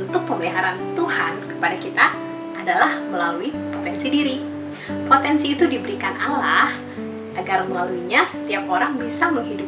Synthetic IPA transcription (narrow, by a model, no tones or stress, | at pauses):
nt̪ʊk̚pəmliɦaɾant̪uhankə̥padakit̪a | ʔːdalahməlaluipot̪ɛnsidiɾi | pot̪ɛnsiːt̪udibəɾikanalah | ʔaɡarməlaluiɲasə̥t̪iap̚oɾaŋbisaməŋɦidʊp̚